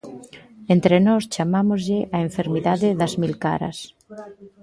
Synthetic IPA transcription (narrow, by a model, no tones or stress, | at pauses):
ent̪ɾenɔst͡ʃamamozʎɪʔaeɱfeɾmiðaðɪðɐzmilka̰ɾɐ̰s